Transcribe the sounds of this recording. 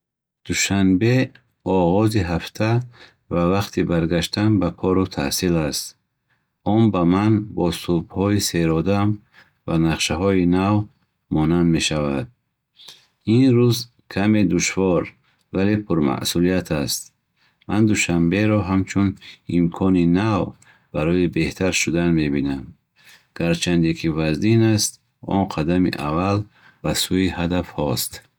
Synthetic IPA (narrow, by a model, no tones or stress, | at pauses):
d̪̥uʃanbe | ɔʁɔziɦaft̪ʰa | vavaqt̪ʰibaɾɡaʃt̪ʰanbakʰɔɾut̪ʰa̰hsilast̪ | ɔnbamanbɔsubhɔiseɾɔd̪am | vanaqʃaɦɔinav | mɔnand̪me̞ʃavad̪̚ | inɾuz | kʰamed̪uʃvɔɾ | valepʰuɾma̰ʔsulijat̪ʰast̪ː | and̪uʃambeɾɔɦamt͡ʃʰunimkʰɔninav | baɾɔjibe̞ht̪ʰaɾʃud̪anme̞binam | ɡ̥aɾt͡ʃʰand̪ekʰivazninast̪ | ɔ̰nqʰad̪amḭʔaval | basuihad̪afhɔst̪